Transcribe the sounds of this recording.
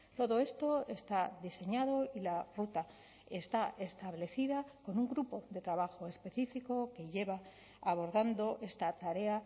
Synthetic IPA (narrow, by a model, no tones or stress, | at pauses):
t̪o̞ðo̞e̞st̪o̞e̞st̪aðise̞ɲað̞o̞ilarut̪a | e̞st̪aʔe̞st̪aβle̞θiðako̞nuŋɡɾupo̞ðe̞t̪ɾaβaxo̞e̞spe̞θifiko̞ke̞ʝe̞βaː | β̞o̞ɾðand̪o̞ʔe̞st̪at̪aɾe̞a